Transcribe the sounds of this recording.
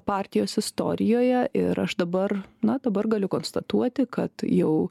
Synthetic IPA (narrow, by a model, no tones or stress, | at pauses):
pɑːɾʲt̪ʲɪjoːsɪst̪o̰ːɾʲɪjoːjɛʔɪ̰ɾɐʃd̪ɐbɐrnɐd̪ɐbɐrɡɐlʲʊkoːnst̪ɐt̪uɔt̪ʲɪkɐt̪jɛʊ